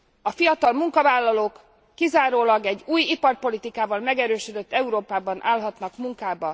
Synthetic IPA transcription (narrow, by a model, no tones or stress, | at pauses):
ɒfijɒt̪ɒlmuŋkɒvaːlːɒloːkː | izaːɾoːlɒɡɛɟːuːjipɒrpo̞lit̪ikaːvɒlmɛɡɛɾøːʃød̪ø̞t̪ːɛuɾoːpaːbɒnʔaːlɦɒt̪nɒkmuŋkaːbɒ